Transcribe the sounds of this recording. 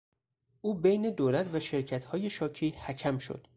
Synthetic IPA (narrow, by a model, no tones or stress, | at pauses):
ʔuːbejne̞d̪oːlæt̪ʰvæʃe̞ɾcʰæt̪hɒːje̞ʃɒːcʰiːhæcʰæmʃo̰d̪̥